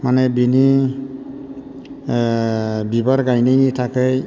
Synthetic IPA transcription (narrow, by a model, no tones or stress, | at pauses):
manebini | bibaɾɡajnejnitʰakɯj